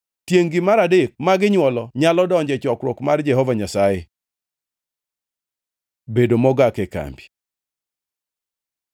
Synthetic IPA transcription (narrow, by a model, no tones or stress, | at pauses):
tjeŋɡɪmaɾadek̚maɡɪɲwɔlɔɲalɔdɔɲd͡ʒɛt͡ʃɔkɾwɔkmard͡ʒɛɦɔvaɲasaje | bedomɔɡakɛka̰mbi̥